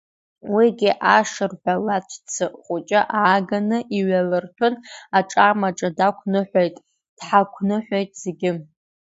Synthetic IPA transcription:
wiɡʲɪʔaʂɨrħʷᶣalat͡ʃʷʰt͡sʰɨχʷʼʊt͡ʃʼaʔaːɡanɨʔiɥalɨrtʷʰʊnaʈ͡ʂʼamaʈ͡ʂʼadakʷʰnɨħʷejtʼ | d̥ħakʷʰnɨħʷejtʼz̥eɡʲɪ

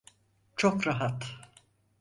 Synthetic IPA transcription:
t͡ʃʰokɾaɦat̪

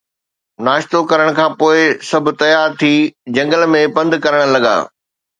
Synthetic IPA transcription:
naːʃt̪okɐɾəɽ̃kʰãːpoːɪsɐbʱʊ̆t̪ɐjaːɾt̪ʰiːd͡ʑɐ̃ŋɡəlmẽpɐ̃nd̪kɐɾəɽ̃lɐɡa̰ː

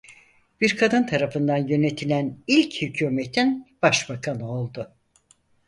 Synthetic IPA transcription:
b̥iɾkʰad̪ɯnt̪ʰaɾafɯnd̪anjø̞ne̞t̪ʰilʲænilʲchycʰuːme̞t̪ʰinb̥aʃbakʰanɯo̞lˠd̪ʊ

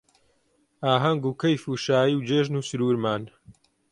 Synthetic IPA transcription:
aːɦɐŋɡuːkɐjfuːʃaːjiwd͡ʒeːʒnuːsɨɾuːɾmaːn

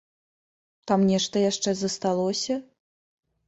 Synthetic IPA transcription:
t̪amnʲɛʂt̪ɐjaʂt͡ʂɛzɐst̪alˠɔsʲɐ

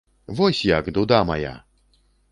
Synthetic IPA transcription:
vɔsʲjakd̪ud̪amaja̰

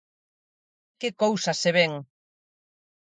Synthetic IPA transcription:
kekowsɐseβ̞eŋ

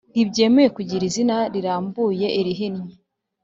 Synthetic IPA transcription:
nibɟe̞ːmeekuɟiɾizinaɾiɾaːmbuːje̞ʔiɾiɦinɲi

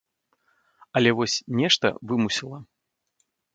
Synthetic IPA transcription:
ɐlʲɛvɔsʲnʲɛʂt̪ɐ̰vɨmusʲilˠɐ

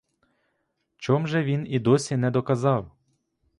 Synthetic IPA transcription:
t͡ʃɔmʒɛʋʲinid̪ɔsʲinɛd̪ɔkɐzɑw

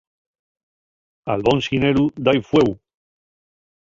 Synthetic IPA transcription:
alβõnsineɾud̪ajfwew

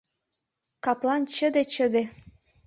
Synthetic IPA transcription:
kɑplˠɑnt͡ɕə̆d̪et͡ɕə̆d̪e

